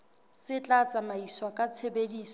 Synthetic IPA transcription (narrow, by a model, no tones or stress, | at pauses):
sɪt͡ɬʼat͡sʼamaiswakʼat͡sʰebediːs